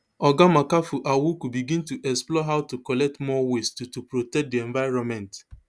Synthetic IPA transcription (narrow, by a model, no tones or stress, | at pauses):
ɔɡamakafuʔawukubiɡĩntuʔɛksplɔɦaʊtukɔlɛk̚tmɔwestutupɾotɛk̚diɛ̃nvaɪɾɔ̃nmɛ̃nt